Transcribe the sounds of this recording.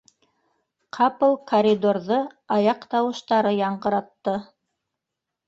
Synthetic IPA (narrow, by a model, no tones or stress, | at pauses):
qʰɑpɤ̆lˠkʰoɾʲid̪oɾðɤ | ɑjɑqt̪ɑwɤ̆ʃt̪ɑɾɤjɑɴɢɤ̆ɾɑt̪ːɤ